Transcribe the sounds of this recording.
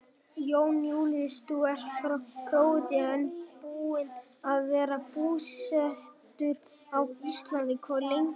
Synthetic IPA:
joːwnjuwlɪðst̪uɛɾ̥fɾakʰɾoːwɪt̪jaɪnpuːɪn | aðvɛːɾapuːsɛht̪ʏɾ | awist̪lant̪ɪkʰɔlejŋ

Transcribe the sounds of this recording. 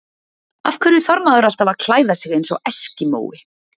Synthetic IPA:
a̰fkʰvɛɾɪθɔɾmaðʏɾal̥t̪avaðkʰl̥aːjðasɪɣejnsɔ̰ɛscɪmo̰ːwɪ

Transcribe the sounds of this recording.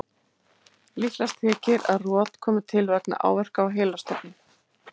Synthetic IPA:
lihlast̪hɛːcɪɾa̰ðrɔːt̪kʰɔːmʏ̥t̪ʰɪlvɛkna̰ʔa̰ːwvɛr̥kawɦeːlast̪ɔpnɪ

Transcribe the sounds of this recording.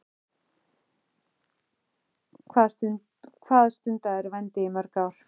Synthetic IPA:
kʰvas | kʰvaːðst̪ʏnt̪aɛɾvajnt̪ɪɪmaɾkawɾ̥

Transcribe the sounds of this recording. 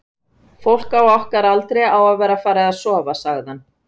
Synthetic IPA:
fowl̥kawɔhkaɾalt̪ɾejawaðvɛːɾafaːɾaaðsɔːvasaɣðanː

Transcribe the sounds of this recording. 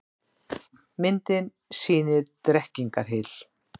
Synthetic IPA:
mɪnt̪ɪn | siːnɪɾt̪ɾɛhciŋkaɾ̥ɦɪl̥

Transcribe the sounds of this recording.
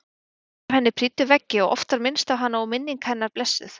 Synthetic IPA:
ɾ̥hɛnːɪpʰɾiːt̪ʏvɛcːɪɔɣɔ̰ft̪aɾmɪnst̪awɦanːaumɪnːiŋkhɛnːaɾ̥plɛsːɪ̰θ

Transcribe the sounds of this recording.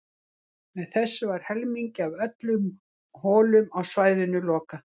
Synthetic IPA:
mɛðθɛsːʏvaɾ̥hɛlmiɲcɪavœt̪lʏm | hɔːlʏmawsvaːjðɪnʏlɔːka

